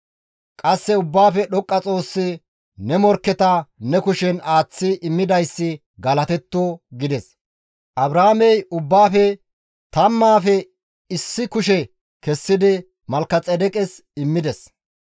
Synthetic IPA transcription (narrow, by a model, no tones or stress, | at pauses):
kʼɐsːɛʊbːaːfɛɗɔkʼːɐt͡sʼo̞ːsːɪ | nɛmɔɾkːɛt̪ɐnɛkʊʃɛnaːt͡sːɪʔɪmːɪd̪ɐjsːɪ | ɡɐlɐt̪ɛt̪ːoːɡɪd̪ɛs | ʔɐbɾaːmɛjʊbːaːfɛ | t̪ɐmːaːfɛ | ɪsːɪkʊʃ̬ɛ | kɛsːɪd̪ɪ | mɐlkːɐt͡sʼɛd̪ɛkʼɛs | ɪmːɪd̪ɛs